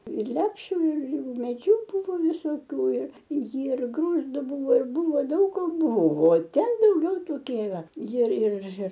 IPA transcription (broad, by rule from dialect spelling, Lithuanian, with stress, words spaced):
ɪr ˈlʲæːpʲʃʲʊ ɪr ɪr ʊmʲeːˈd͡ʒʲuː ˈbʊʋoː ʋʲɪsoːˈkʲuː ɪr jɪr ˈɡruːzdʊ ˈbuːʋoː ɪr ˈbuːʋoː ˈdɐʊk koː ˈbʊʋoː ˈtʲɛn dɐʊˈɡʲɛʊ toːˈkʲiɛ ɪˈrɐ ˈjɪr ˈjɪr ˈjɪr